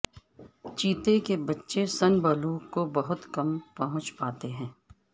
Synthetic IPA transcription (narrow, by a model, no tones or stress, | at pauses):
t͡ʃiːt̪ekebɐtːʃesɐnbəlũkobɐɦʊt̪kɐmpɐɦʊ̃t͡ʃpaːt̪eɦɛ̃ː